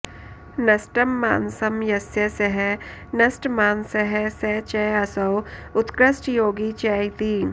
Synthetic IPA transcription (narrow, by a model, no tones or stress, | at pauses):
nɐsʈɐmːa̰ːnsɐmjɐsjɐsɐɦɛnɐsʈmaːnsɐɦɛsɛt͡ʃɛɐsɐwʊt̪kɾəsʈjoːɡit͡ʃɛːit̪iːn